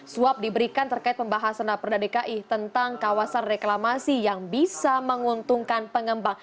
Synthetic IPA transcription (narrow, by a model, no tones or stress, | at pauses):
suap̚dibəɾikant̪ərkaɪt̪̚pəmbaɦasandapərdadekaʔit̪ənt̪aŋkawasanreklamasijaŋbisaməŋunt̪uŋkanpəŋəmbaŋ